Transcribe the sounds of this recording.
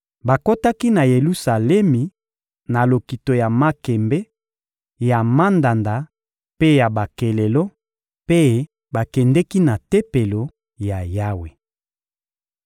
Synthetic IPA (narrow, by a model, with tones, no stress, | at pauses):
ba˨ko˦ta˦ki˦na˨je˨lu˦sa˨lɛ˦mi˨ | na˨lo˨ki˨to˨ja˨ma˦kɛ˨mbɛ˦ | ja˨ma˦nda˨nda˨ | pe˦ja˨ba˨ke˨le˨lo˦ | pe˦ | ba˨kɛ˨ndɛ˦ki˦na˨te˦pe˨lo˨ | ja˨ja˦we˨